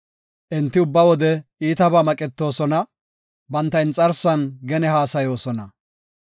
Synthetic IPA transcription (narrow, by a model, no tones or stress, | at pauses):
ʔɪnt̪ːɪʊbːɐwɔd̪ɛiːt̪ɐbaːmɐkʼɛt̪ːo̞ːsɔnɐ | bɐnt̪ːɐjɪnt͡sʼɐɾsɐnɡɛnɛhaːsɐjo̞ːsɔnɐ